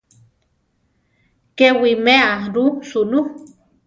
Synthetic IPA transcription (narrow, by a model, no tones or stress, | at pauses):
kewimeaɾusunu